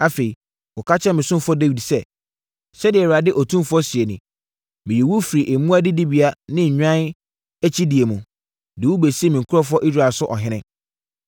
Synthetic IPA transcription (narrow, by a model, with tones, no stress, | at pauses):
a˦fe˨i˨ | wʊ˨kʰa˦t͡ɕʰɛ˦mɪ̃˨sʊ̃˦mfɔ˦de˦wi˨dsɛ˦ | ɕɛ˦dɪ˨ɛ˨ɪ˨a˨dɪ˦ʔɔ˨tʰũ˦mfɔ˦sɪ˨e˨nĩ˨ | mɪ̃˨jɛ˨wu˦fi˨ɾi˨ʔe˨mũ˦a˦dɪ˦di˦bi˨a˦nɪ̃˦ɲ̩˨ɲᶣã˦n | æ˦t͡ɕʰi˦di˨e˨mũ˨ | dɪ˨wu˦be˨si˦e˦mĩ˨ŋ̩˨kʰʊ˦ɾɔ˦fʊ˦ɔ˦ʔi˦zɾa˨lsʊ˦ʔɔ˨ɦɪ̃˦nɪ̃˦